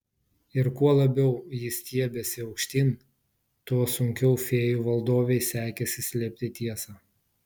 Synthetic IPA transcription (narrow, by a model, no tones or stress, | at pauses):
ɪɾkuɔlˠɐbʲɛʊjɪsʲt̪ʲiɛbʲɛsʲɪɐʊkʃʲt̪ʲɪn | t̪uɔsʊŋʲkʲɛʊfʲeːjuːʋɐlˠd̪oːʋʲɛɪsʲæːkʲɛsʲɪsʲlʲɛːpʲt̪ʲɪt̪ʲiɛsɑː